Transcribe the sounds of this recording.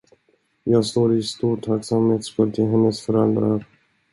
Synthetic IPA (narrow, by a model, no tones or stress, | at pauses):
jɑːɡst̪oːɾɪst̪uːʈʰaksamheːt̪skɵlt̪ʰɪlɦɛnːəsfœɾɛld̪ɾaɾ